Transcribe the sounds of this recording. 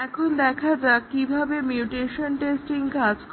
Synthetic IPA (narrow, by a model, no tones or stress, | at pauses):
ɛkʰond̪ɛkʰad͡ʑaekibʱabemjuʈeʃonʈesʈiŋkad͡ʑk